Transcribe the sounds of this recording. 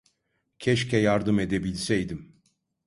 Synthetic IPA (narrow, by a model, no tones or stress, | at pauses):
cʰɛʃcʰɛjaɾd̪ɯme̞d̪ebilʲsɛjd̪im